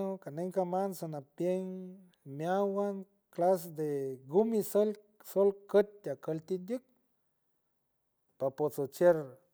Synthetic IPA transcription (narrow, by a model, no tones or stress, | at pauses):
okaneŋkamansonapjeŋ | mjawaŋ | klasd̪eɡumisəl | solkət̪̚t̪akəlt̪id̪jək̚ | papot͡sot͡ʃeɾ